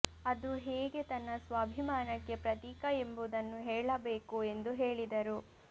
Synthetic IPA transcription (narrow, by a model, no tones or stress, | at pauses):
ɐd̪uɦeːɡe̞t̪ɐnːɐsʋaːbʱimaːnɐkːe̞pɾɐt̪iːkɐe̞mbud̪ɐnːuɦeːɭɐbeːkue̞nd̪uɦeːɭid̪ɐɾu